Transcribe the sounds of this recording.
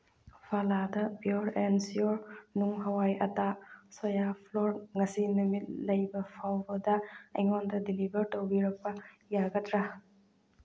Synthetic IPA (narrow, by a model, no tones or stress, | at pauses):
pʰaladɐbioɾɛnsioɾnuŋɦɐwajɐtasɔjapʰloɾŋɐsinumit̚lɐjbɐpʰawbɐdɐɐjŋɔndɐdilibɐɾtowbiɾɐk̚pɐ | jaɡɐtɾɐ